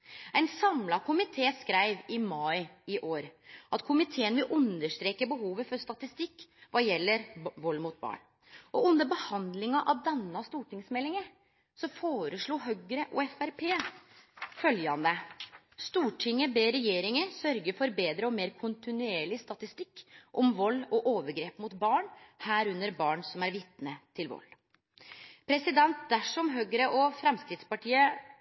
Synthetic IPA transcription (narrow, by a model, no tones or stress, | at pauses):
ɛɪnsɑmlɑkʊmɪt̪ʰeːskɾæɪʋɪmɑɪɪʔoːɾʔɑt̪kʰʊmɪt̪ʰeːənʋɪlʔʉnd̪əʂʈ̪ɾeːkəbəɦuːʋəfɔɾst̪ɑt̪ɪst̪ɪkːʋɑjɛlːəɾʋɔlːmuːt̪̚bɑ̰ːɳ | ɔʉnd̪əɾbəhɑnd̪lɪŋɑʔɑʋd̪ɛnːɑst̪uːʈɪŋsmɛlːɪŋə | sɔfoːɾəʂɭuːɦœɡɾəʔṵːɛfæɾpʰeː | fœljɑnd̪ə | st̪uːʈʰɪŋːəbeːɾɛjeːɾɪŋəɾsœɾɡəɾfɔɾbeːd̪ɾəɔmeːɾkʰʊnt̪ɪnʉeːɭɪst̪ɑt̪ɪst̪ɪkːʔɔmʋɔlːɔʔoːʋəɾɡɾeːpmʊt̪bɑːɳhæːɾʉnːəɾbɑːɳsɔmæɾʋɪt̪nət̪ʰɪlʋɔ̰lː | pʰɾɛsɪd̪ɛnt̪̚d̪æʂɔmɦœɡəɾəʔɔfɾɛmskɾɪd̪spɑʈʰiːə